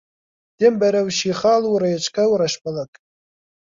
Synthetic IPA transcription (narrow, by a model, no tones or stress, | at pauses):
d̥embaɾawʃiχaluɾajat͡ʃʰʼkʰʼawɾaʃpʰʼalakʼ